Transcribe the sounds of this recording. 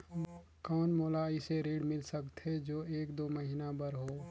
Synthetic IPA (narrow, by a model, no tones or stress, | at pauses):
kɔːnmoːlaɪseɾeːɖmɪlsəkt̪ɦɛd͡ʒoːʔeːkd̪oːməɦinabəɾɦoː